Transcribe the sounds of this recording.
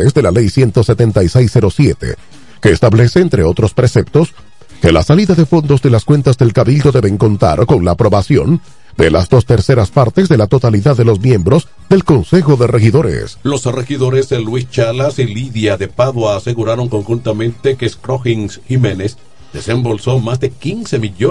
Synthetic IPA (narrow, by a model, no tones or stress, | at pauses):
ezd̪e̞lalejsje̞nt̪o̞se̞t̪ent̪ajsejsːe̞ɾo̞sje̞t̪e̞̰ | ke̞ːst̪aβle̞seːnt̪ɾe̞o̞t̪ɾo̞spɾese̞p̚t̪o̞s | ke̞la̰saliðaðe̞fo̞nd̪o̞zðe̞laskwe̞nt̪azðe̞lkaβild̪o̞ðe̞βe̞ŋko̞nt̪a̰ɾko̞ŋlaːpɾo̞βasjo̞̰n | d̪e̞la̰zðo̞st̪e̞ɾse̞ɾaspaɾt̪e̞zðe̞lat̪o̞t̪aliðaðːe̞lo̞smje̞mbɾo̞z | d̪e̞lko̞nse̞xo̞ðe̞re̞xiðo̞ɾḛslo̞srexiðo̞ɾezðelwist͡ʃalasiliðjaðe̞paðwaːseɣuɾaɾo̞ŋko̞ŋxunt̪amẽnt̪e̞keskɾoxiŋsximenes | d̪e̞sembo̞lso̞mazd̪e̞kinse̞miʎo